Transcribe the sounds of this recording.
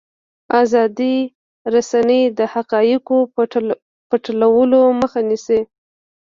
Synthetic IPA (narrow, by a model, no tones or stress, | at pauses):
azɑd̪i | ɾasanəjd̪əhaqɑjəko | pəʈəlawəloməxanise